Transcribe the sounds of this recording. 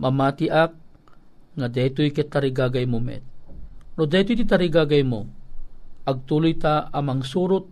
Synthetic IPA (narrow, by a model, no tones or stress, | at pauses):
mamat̪ɪʔak̚ | ŋad̪ɛt̪ʊjkɛt̪aɾiɡaɡajmʊmɛ̰t̪̚nod̪ɛjt̪ʊjt̪it̪aɾiɡaɡajmo | ɐɡ̚t̪uːlʊjt̪aamɐŋsuːɾʊt̪̚